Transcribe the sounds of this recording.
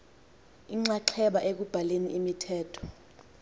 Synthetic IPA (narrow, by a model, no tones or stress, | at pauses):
iŋ͡ǀaǁʰɛɓaʔek̬ub̥ʱaleniʔimitʰɛːtʰɔ̥